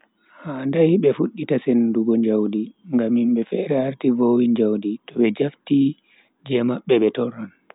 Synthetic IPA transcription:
handajɓɛfuɗːitasenduɡɔɲd͡ʒawdiŋɡamːimɓɛfɛɾɛhaɾtivowiɲd͡ʒawditɔɓɛd͡ʒafti | d͡ʒɛmaɓːɛɓɛtɔɾan

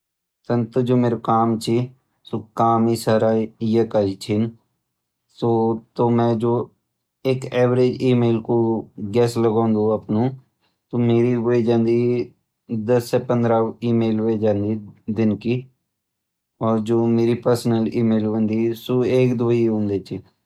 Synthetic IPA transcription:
sənt̪ʊd͡ʒoːmeːɾokaːmt͡ʃʰiː | soːkaːmiːsəɾaːjakait͡ʃʰɪn | soːt̪oːmɛ̃ːd͡ʒoː | eːkɛːʋɾeːd͡ʒiːmeːlkoːɡɛːsləɡãːnd̪oːəpnũː | t̪oːmeːɾiːɦoid͡ʒãːnd̪iː | d̪əsːeːpənd̪ɾaːiːmeːlʋed͡ʒãːnd̪iːd̪ɪnkiː | ɔːɾd͡ʒoːmeːɾiːpəɾsnəliːmeːlʋənd̪iːsoːeːkd̪ʊiːɦõːnd̪eːt͡ʃʰi

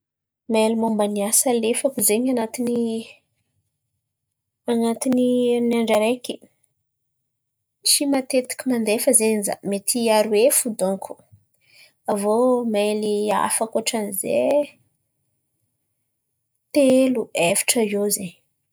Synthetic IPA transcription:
melimombaniasalefakuzeɲanat̪ini | anat̪ininiaɳɖ͡ʐaɾeki | t͡ʃimat̪et̪i̥kʲimand̪efəzeza̰met̪ʰiaɾuefud̪oŋkʰu̥ | avomelia̰fakoʈ͡ʂanize | t̪eluevi̥ʈ͡ʂəiozeɲ

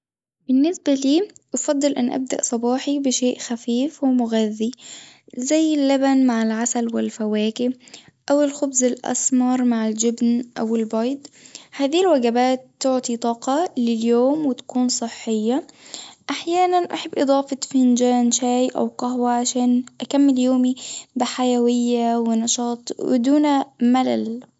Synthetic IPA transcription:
b̥ɪnːɪsbaliːʔɑfɑd̪ˤːɨlʔɪ̰nːʔa̰b̚d̪a̰ʔsˤɑbɑːħibɪʃeːʔxafiːfwɪmʊɣaðːi | zajːɪlːabanmaʕalʕasalwɪlfawaːkɪ | ʔawɪlxʊbzɪlʔɑ̰smɑɾˤmaʕɪld͡ʒɪbnʔawɪlbɑjd̪ˤhaːðilwaɡabaːt̪ːʊʕt̪ˤit̪ˤɑːqɑlɪljoːmwɪt̪ḁkuːnsˤɨħːɪjːaʔaħjaːnanʔaħabːʔɨd̪ˤɑːfɑt̪fɪnd͡ʒaːnʃaːjʔa̰wqɑɦwaʕaʃaːnʔakamːɪljoːmibɪħajawɪjːawɪnɑʃɑːt̪ˤwɪ̰d̪uːnamalal

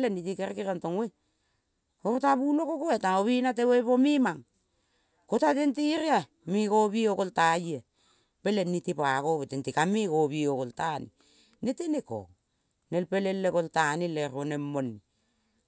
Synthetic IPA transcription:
lenitikeɾkiɾantoŋwe | koɾtaβulokokoetaoβinat̬ewepomimaŋ | kotatentiɾia | mikoβiokoltaje | pelenːitipakoβetentikamikoβiokoltanḭ | neteneko̰ | nelpelelːekoltanileɾonemːonːi

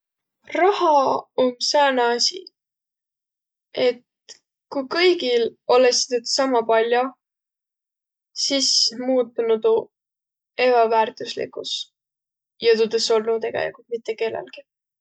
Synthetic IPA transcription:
rɑhɑomseneɑsʲḭ | ʔe̞t̪ | kujkɤjɡilo̞lesit̪et̪sɑmɑpɑlʲjo | sismuːt̪ːˑunud̪u | e̞bɑvæːrt̪ˑuslḭkˑus | jɑt̪ud̪eso̞lnut̪e̞ɡ̥ḛlḭkult̪mit̪ːeke̞ːlɑ̰lɡ̥i

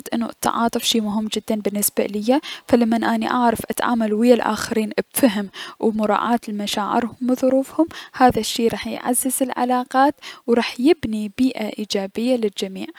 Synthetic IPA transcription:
t̪ʔɪ̰nːṵʔt̪ʰːɑ̰ʕɑːt̪ˤʊfʃiːmʊɦɪmːd͡ʒɪd̪ːanbɪnːɪsbaʔlɪjːafalamːanʔaːniʔaʕɾˤɑfʔat̪ʕa̰ːmalwɪjalʔa̰ːxaɾiːnbfaɦɪmwmʊɾˤɑ̰ːʕaːt̪ɪlmaʃaːʕɪ̰ɾhʊmwɨðˤʊɾuːfhʊmhaːðaʃːiːɾˤɑːħjʕa̰zːɪzɪlʕa̰laːqɑːt̪wɾˤɑːħjɪbnibiːʔaʔiːd͡ʒaːbɪjːalɪld͡ʒamiːʕ

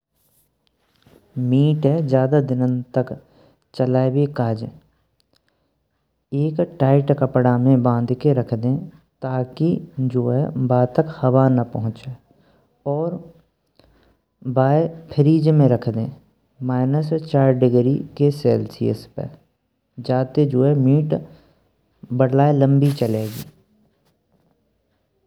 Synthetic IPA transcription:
miːʈɦɛd͡ʒjaːd̪ad̪ɪnə̃nt̪ək | t͡ʃəlaːebekaːd͡ʒẽː | eːkʈaːɪʈkəpɽamẽbãːnd̪ʱkeɾɐkʰd̪ẽː | t̪aːkid͡ʒoːɦɛbaːt̪əkhɐʋanɐpɐɦʊ̃t͡ʃe | ɔːɾ | baːepʰɪɾiːd͡ʒmẽɾɐkʰd̪ẽː | maːɪnəst͡ʃaːɾɖɪɡɾikeseːlsḭːə̰spə̰ | d͡ʒaːt̪ed͡ʒoːɛmiːʈ | bəɽlaːelə̃mbit͡ʃəleːɡiː

